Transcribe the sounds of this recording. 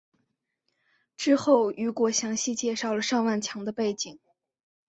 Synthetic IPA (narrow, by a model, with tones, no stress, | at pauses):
ʈ͡ʂɻ̩˥xo˥˩ʊy˧˥kwɔ˧˥ɕjɑ˧˥ŋɕi˥˧t͡ɕjɛ˥˧ʂɑ˥˩ʊlə˩ʂɑ˥˧ŋwa˥˩nt͡ɕʰjɑ˧˥ŋd̪ə˧pe˥˩ɪt͡ɕi˨˩˦ŋ